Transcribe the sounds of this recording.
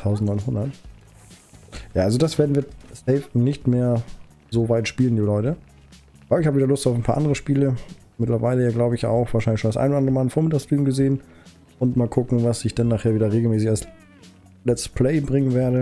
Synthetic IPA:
tʰaʊzn̩tnɔɪnɦʊndɐt | jaːʔalzodasv̥eːɐdn̩viːɐsɛɪfnɪçtmeːɐ | zoːvaɪtʃpiːləndilɔʏtə | ʔabɐlɪçhaːbəvidɐlʊstaʊfaɪnpʰaːɐʔa̰ndəʁəʃpiːlə | mɪtlɐvaɪləjaːɡlaʊbəɪça̰ʊxv̥aːʃaɪnlɪçʃoːnasʔa̰ɪnodandəmaːlnfoɐmɪtaːkstʁ̥iːmɡəzeːən | ʔʊntmaːlkʰʊkŋ̩vasɪçd̥anːaːχheːɐviːdɐʁeːɡl̩mɛːsɪçals | lɛt͡stə̥spʰl̥ɛɪbʁɪŋənveːɐdə

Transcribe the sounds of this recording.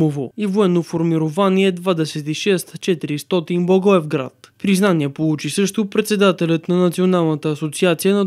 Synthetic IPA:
ovoivoɛnːofoɾmiɾovaniɛd̪vad̪ɛsɛt̪iʃɛst̪t͡ʃɛt̪iɾist̪ɔt̪inbɔɡɔɛvɡɾa̰t̪pɾiznaniɛpolˠut͡ʃisɤʃt̪opɾɛt̪sɛd̪at̪ɛlʲət̪nɐnɐt̪sionalˠnət̪əːsot̪siat̪sijənɐ

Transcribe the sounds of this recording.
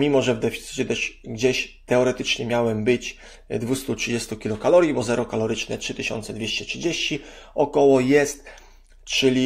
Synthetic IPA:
mʲimɔʐɛvd̪ɛfʲit̪sɘ̥t͡ɕɛd̪ɔɕɡd͡ʑeɕt̪ɛɔɾɛt̪ɘt͡ʂɲɛmʲjawɛmbɘt͡ɕ | d̪vust̪utʂɘd͡ʑest̪ukʲilukalɔɾʲjibɔzɛɾɔkalɔɾɘt͡ʂnɛtʂɘt̪ɘɕɔ̰nt̪sɛd̪vʲeɕt͡ɕɛtʂɘd͡ʑeɕt͡ɕiɔkɔwɔjɛst̪ | t͡ʂɘlʲi

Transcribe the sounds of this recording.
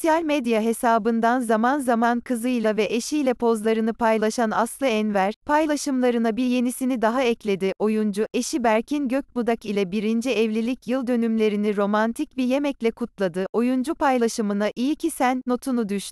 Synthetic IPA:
sijalʲmed̪jaɦe̞saːbɯnd̪anzamanzamankʰɯzɯjlˠavɛʔeʃijlʲɛpʰo̞zlˠaɾɯnɯpʰajlˠaʃanaslˠɯɛnvæɾ̥pʰajlˠaʃɯmlˠaɾɯnabiɾje̞nisinid̪aɦaɛclʲe̞d̪iʔo̞jund͡ʒuʔe̞ʃibæɾcʰinɟøc̚ʲmud̪akilʲɛbiɾind͡ʒiɛvlʲilʲicʰjɯlˠd̪ønymlʲe̞ɾiniɾo̞mant̪ʰicbije̞mɛclʲɛkʰut̪lˠad̪ɯʔo̞jund͡ʒupajlˠaʃɯmɯnaʔijicʰisænno̞t̪ʰunud̪yʃʃt̪

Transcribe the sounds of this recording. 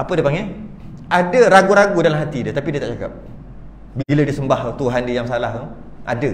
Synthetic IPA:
apədiəpaŋɡa | adəɾaɡuɾaɡudalamɦat̪idət̪apidiət̪aʔt͡ʃaka̰p̚ | biilədisəmbaht̪uɦandijaŋsalaɦ | ʔa̰də

